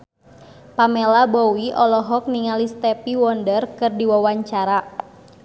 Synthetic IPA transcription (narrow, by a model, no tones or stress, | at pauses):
pamelabɔwiʔɔlɔɦɔk̚niŋalist̪ɛpiwɔndərkɨrdiwawaɲt͡ʃaɾa